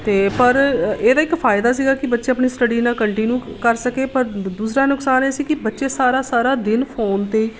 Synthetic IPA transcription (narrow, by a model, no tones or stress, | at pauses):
t̪eːpəɾeːd̪aːɪkpʰaːɪd̪aːs̬iːɡaːkɪbətːʃeːəpɳiːsʈəɖiːnãːkəɳʈiːnuːkəɾsəkeːpəɾd̪uːsɾaːnʊksaːneːsiːkɪbətːʃeːsaːɾaːsaːɾaːd̪ɪnpʰoːnt̪eːiː